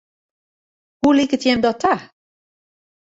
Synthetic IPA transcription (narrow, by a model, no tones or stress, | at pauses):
ɦulikətjɛmdɔta